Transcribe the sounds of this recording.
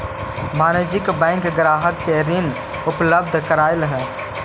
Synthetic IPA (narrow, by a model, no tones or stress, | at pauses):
maːnəd͡ʒɪkbɛ̃ːŋkɡɾaːɦəkːeɾɪn | ʊpləb̚d̪ʱkəɾaːɪlɦɛ̃ː